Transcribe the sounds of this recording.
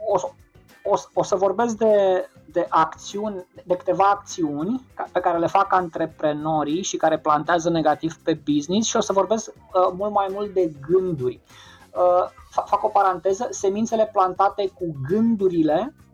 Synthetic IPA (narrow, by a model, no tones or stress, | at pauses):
os | oso̞səvo̞rbe̞s̬k̚d̪e̞ | d̪e̞ʔakt̪siunʲd̪e̞kɨ̥t̪e̞vaːk̚t̪siunʲkape̞kaɾe̞le̞fakant̪ɾe̞pɾe̞no̞ɾiʃikaɾe̞plant̪eazəne̞ɡat̪ivpe̞biznisʃio̞səvo̞rbe̞sk | əmult̪majmult̪̚d̪e̞ɡɨnd̪urʲ | əfafako̞paɾant̪e̞zəse̞mint̪se̞le̞plant̪at̪e̞kuɡɨnd̪uɾile̞